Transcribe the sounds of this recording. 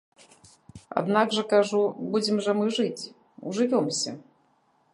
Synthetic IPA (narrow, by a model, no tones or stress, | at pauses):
a̰d̪naɡʐɐkaʐubud͡zʲɪmʐɐmɨʐɨt͡sʲ | ṵʐɨvʲɔmsʲɐ̰